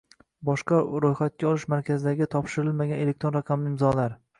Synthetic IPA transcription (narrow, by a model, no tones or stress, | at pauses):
bɒʃqɑɾojχat̪̚kʲaɒlˠɪʃmaɾkʲʰazɪd̪aɡʲɪt̪ʰɒpʃɪɾɪlmaɡʲane̞le̞k̚t̪ɾo̞nɾaqʰɑmlɪɪmzɒlaɾ